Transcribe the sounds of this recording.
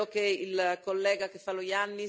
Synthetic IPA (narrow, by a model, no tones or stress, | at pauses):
okeilkolːɛːɡakefalojanːi